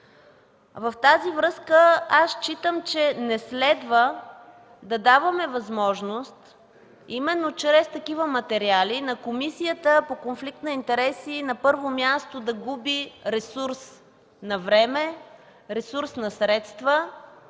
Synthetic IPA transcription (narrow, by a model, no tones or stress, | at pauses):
vɐft̪azivɾɤskəast͡ʃit̪əmt͡ʃɛnɛslɛd̪və | d̪ɐd̪avəmɛvɐzmɔʒnost̪ | imɛnːot͡ʃɾɛst̪ɐkivəmɐt̪ɛɾialinɐkomisijət̪əpokonflikt̪nɐint̪ɛɾɛsinɐpɤɾvomjast̪od̪ɐɡubiɾɛsuɾs | nɐvɾɛmɛ | ɾɛsuɾsnɐsɾɛt̪st̪və